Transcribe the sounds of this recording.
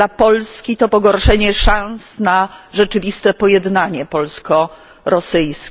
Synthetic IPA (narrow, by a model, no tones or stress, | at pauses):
apɔlskʲit̪ɔpɔɡɔɾʂɛɲɛʂãñsnaʐɛt͡ʂɘvʲist̪ɛpɔjɛd̪naɲɛpɔlskɔ | ɾɔsɘjskʲ